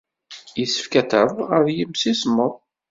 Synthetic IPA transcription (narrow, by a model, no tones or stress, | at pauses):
jisə̥fkæt̪əðˤʁəɾjəmsismːəðˤ